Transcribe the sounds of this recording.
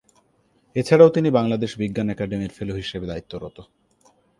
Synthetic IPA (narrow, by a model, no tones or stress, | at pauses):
et͡ɕʰaɽaot̪inibaŋlad̪eʃbiɡːanɛkaɖemiɾfeloɦiʃebed̪ait̪ːoɾot̪o